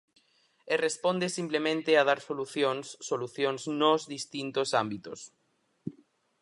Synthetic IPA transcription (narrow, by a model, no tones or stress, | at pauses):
erespond̪esimplemẽnt̪eað̞aɾsoluθjonsːoluθjoŋznozðist̪int̪osambit̪os